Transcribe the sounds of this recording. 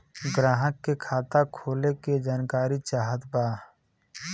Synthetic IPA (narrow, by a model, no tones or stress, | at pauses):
ɡɾaːɦəkːekʰaːt̪akʰoːleked͡ʒaːnkaːɾit͡ʃaːɦət̪baː